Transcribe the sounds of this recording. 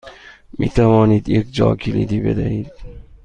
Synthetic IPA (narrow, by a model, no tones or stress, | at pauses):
mʔit̪ʰamɒːnid̪ek̚d͡ʒɒ̰ːkʲʰilḭd̪ibḛd̪aid̪̚